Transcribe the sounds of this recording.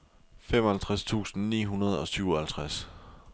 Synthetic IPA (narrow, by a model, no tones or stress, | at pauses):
fem̰ɒhælt͡sʰʁast͡sʰṵːsn̩nḭːɦunɐð̞ˠɒ̽syʊɒhælt͡sʰʁas